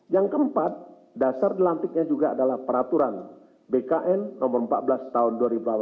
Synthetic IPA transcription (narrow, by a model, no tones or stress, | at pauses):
jaŋkəəmpat̪̚ | dasardilant̪ɪk̚ɲad͡ʒuɡaːdalahpəɾat̪uɾan | bekaʔɛnːɔmʊrəmpa̰t̪̚bəlast̪aʊnduaɾibula